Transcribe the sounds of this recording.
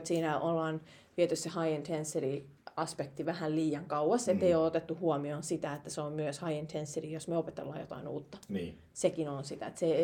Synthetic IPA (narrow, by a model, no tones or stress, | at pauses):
t̪siːnæʔolːɑːn | t̪iet̪yssehɑient̪ʰensːeri | ɑspek̚t̪iʋæhælliːjɑŋkɑuwɑset̪ːeioːot̪et̪ːuhuomioːnsit̪æet̪ːæseommyøshɑient̪ʰensːeriːjosmøopet̪ḛlːɑ̰ːjo̰t̪ɑ̰inṵːt̪ːɑn | sekinonsit̪æ̰et̪se